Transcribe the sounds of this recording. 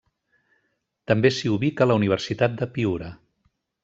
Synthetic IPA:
t̪əmbesiuβikələuniβ̞ərsit̪at̪̚d̪əpiuɾə

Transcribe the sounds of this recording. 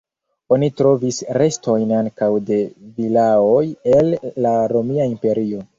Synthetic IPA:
o̞nitɾo̞visɾe̞sto̞jnaŋkawde̞vilao̞jelːaɾo̞miaimpe̞ɾio̞

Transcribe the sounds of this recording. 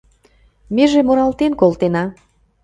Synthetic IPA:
meʒemoɾɑlt̪enkolˠt̪enɑ

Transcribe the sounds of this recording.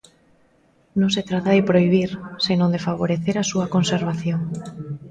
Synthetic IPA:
nõŋset̪ɾat̪aðɪpɾoiβ̞iɾsenõnd̪efaβ̞oɾeθeɾasuakonseɾβaθjoŋ

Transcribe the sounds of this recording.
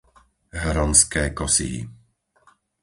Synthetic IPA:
ɦɾɔnskɛːkɔsḭḭ

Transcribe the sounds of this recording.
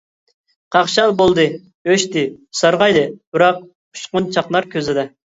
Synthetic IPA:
qʰɑχʃɑlˠbolˠd̪ɨ | øʃt̪ɪsɑɾʁɑjd̪ɨbɨɾɑq̚ʰ | u̥ʃqʊnt͡ʃʰɑqlˠɑɾkʲøzɪd̪ɛ

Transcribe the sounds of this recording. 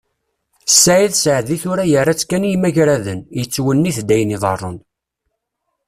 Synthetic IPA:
sːaʕiðsəʕðiθʊɾæjərːæt͡sːkænjimæʝɾæðənjət͡sːwənːiθd̪æjəniðˤɑ̰rˤːən

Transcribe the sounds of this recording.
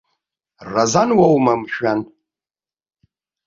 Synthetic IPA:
razanwawmamʃᶣan

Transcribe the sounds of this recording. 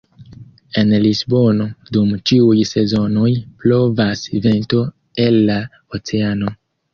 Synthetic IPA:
e̞nlisbo̞no̞dumt͡ʃiujse̞zo̞no̞jplo̞vasive̞nto̞ | e̞lːa | ot͡se̞ano̞

